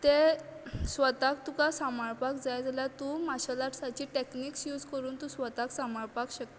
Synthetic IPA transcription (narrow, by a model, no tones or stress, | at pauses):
t̪e | sʋət̪ak̚t̪ukasamaɭpakd͡zajd͡zaljat̪ũmaɕalaʈsat͡ɕiːʈekniːksjuːd͡zkəɾuːnt̪ũsʋət̪aksamaɭpakɕək̚t̪